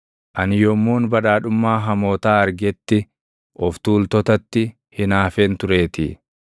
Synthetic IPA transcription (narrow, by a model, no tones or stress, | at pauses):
ʔɐnɪjɔmːuːnbɐᶑaːᶑʊmːaːɦɐmoːt̪aːɐɾɡɛt̪ːɪ | ʔɔft̪uːlt̪ɔt̪ɐt̪ːɪ | hɪnaːfeːnt̪ʊɾe̞ːt̪ɪ̰ː